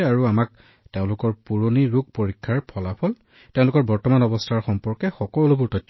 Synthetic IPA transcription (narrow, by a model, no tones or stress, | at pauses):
aɹuamak̚ | teʊ̃lʊkɔɹpuɹoniɹuɡ̚poɹikʰːaɹpʰɔlapʰɔl | teʊ̃lʊkɔɹbɔɹtɔmanɔbɔstʰaɹxɔmpɔɹkɛxɔkɔlubʊɹtɔjtʰː